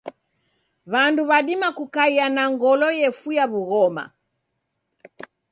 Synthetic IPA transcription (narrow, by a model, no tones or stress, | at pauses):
βanduβaɗimakukaianaŋɡɔlɔjɛfujaβuɣɔma̰